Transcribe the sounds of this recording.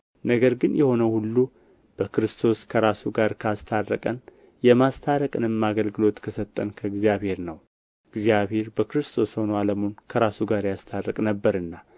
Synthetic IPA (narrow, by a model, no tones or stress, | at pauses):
nəɡəɾɡɨnjɛho̞nəhulːu | b̥əkɨɾɨst̪ʰo̞skʰəɾasuɡaɾkʰast̪ʰarːə̰kʼən | jɛmast̪ʰaɾəkʼɨnɨmaɡəlɡɨlo̞t̪kʰəsət̪ʼːənkʰəɡzijaβhe̞ɾnəw | ɨɡzijaβhe̞ɾbəkɾɨst̪ʰo̞sho̞nəaləmonkʰəɾasuɡaɾjast̪ʰarːəkʼnəbːəɾɨnːa